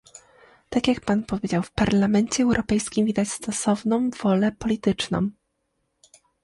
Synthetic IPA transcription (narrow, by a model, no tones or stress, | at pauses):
t̪akʲjak̚panpɔvʲjed͡ʑawfpaɾlamɛɲt͡ɕɛːwɾʔɔpɛjskʲimvʲid̪at͡ɕst̪ɔsɔvnɔ̃w̃v̥ɔlɛpɔlʲit̪ɘt͡ʂnɔ̰̃w̃